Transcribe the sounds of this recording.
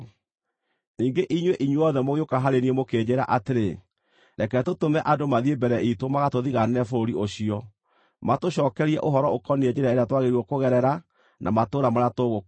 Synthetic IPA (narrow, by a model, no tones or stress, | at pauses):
niːŋɡeʔiɲweʔiɲweɔðɛmoɣeokaɦaɾeniemokeːd͡ʑeɾaʔateɾe | ɾɛkɛtotomɛʔadomaðiebɛɾɛitomaɣatoðiɣanɛnɛfoɾoɾioɕiɔ | matoɕɔːkɛɾiɛʔoɦɔɾɔokɔnied͡ʑeɾeaeɾeatwaɣeɾwɔkoɣɛɾɛɾa | nʔa̰matoːɾamaɾatoɣo